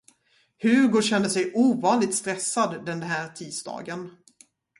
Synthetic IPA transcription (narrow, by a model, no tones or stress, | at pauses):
hʉ̟ɡoɕɛnd̪əsɛjʔuːvɑːnlɪt̪st̪ɾɛsːad̪ːɛnɦæːɾt̪ʰiːd̪sd̪ɑ̰ːɡən